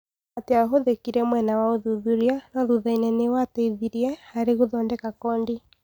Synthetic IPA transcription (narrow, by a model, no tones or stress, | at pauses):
ateaɦoðekiɾɛmwɛnawaoðuðuɾianɔðuðainɛnewatɛiðiɾiɛhaɾeɣoðɔndɛkakɔːndi